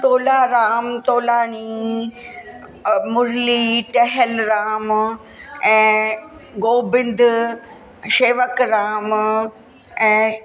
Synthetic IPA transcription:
t̪oːlaːɾaːmt̪oːlaːni | mʊɾliːʈɛɦəlɾaːm | ɛ̃ː | ɡoːbɪ̃nd̪ | ʃeːʋəkɾaːm | ɛ̃ː

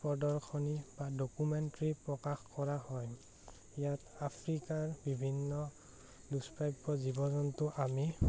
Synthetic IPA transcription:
pɔdɔɹkʰɔnibadokumɛntɹipɹɔkaxkɔɹahɔj | ijatapʰɹikaɹbibʱinːɔ | luspajbɔzibɔzɔntʊʔami

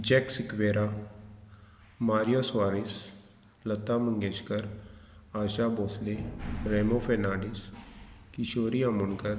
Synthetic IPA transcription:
d͡ʒɛːksɪkʋeːɾaː | maːɾijoːswaːɾɪs | lət̪ːaːməŋɡeːt͡ʃkəɾaːʃaːboːsleːɾeːmoːpʰɛːnaːɖɪskɪʃoːɾiːaməɳkəɾ

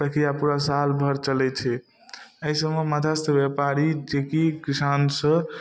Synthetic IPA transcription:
pəkɾijapuɾasalbʱəɾt͡ʃəlɛt͡ʃʰɛ | əɦisəmemət̪ʰast̪ʰəbjepaɾid͡ʒekikisansə̃

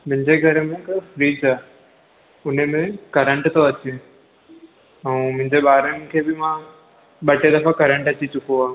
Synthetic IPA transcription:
mʊ̃ɦɪ̃ɲd͡ʑeɡʱɐɾmẽkfɾiːd͡ʑaː | ʊn̤əmẽkɐɾə̃ɳʈt̪oɐt͡ɕẽ | ɛ̃mʊ̃ɦɪ̃ɲd͡ʑeɓaːɾənɪ̆kʰeːbɪmã | ɓɐʈed̪ɐfakɐɾə̃ɳʈɐt͡ɕit͡ɕʊkoaːɦ

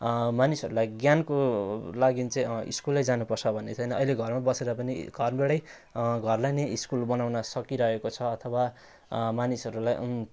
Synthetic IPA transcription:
manisɦʌɾulajɡjankolaɡint͡sʌĩḭskulʌjd͡zanupʌrt͡sʰʌbʱʌnːet͡sʰʌjnʌʌjleɡʱʌrmabʌseɾʌpʌniɡʱʌrbeɽʌj | ɡʱʌrlajneiskulbʌnawnʌsʌkiɾʌekot͡sʰʌːt̪ʰʌwa | manisɦʌɾulaj

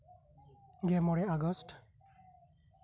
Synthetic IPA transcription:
ɡɛmɔɹɛaɡɔst

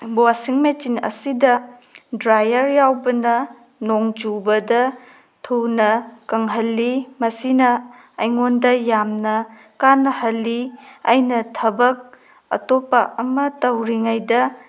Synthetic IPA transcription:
bowasiŋmet͡ʃinɐ̰sidɐdɾajɐɾjawbɐnɐ | noŋd͡ʒubɐdɐ | tʰuwnɐkɐŋɦɐlːimɐsinɐː | jŋondɐjamnɐ | kanːɐhɐlːia̰jnɐtʰɐbɐk̚ | ɐ̰topːɐʔɐmɐtɐwɾiŋajdɐ

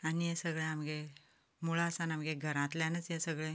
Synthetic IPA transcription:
anijesəɡɭẽamɡe | muɭasanamɡeɡʱəɾãt̪ljãnət͡sjesəɡɭẽ

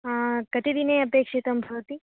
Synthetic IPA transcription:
kɐt̪id̪ineɐpeːkʂit̪ɐmbʱɐʋt̪i

